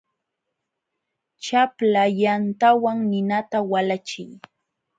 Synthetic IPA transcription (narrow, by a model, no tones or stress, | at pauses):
t͡ʃaplajant̪awaŋnɪnat̪awalat͡ʃɪj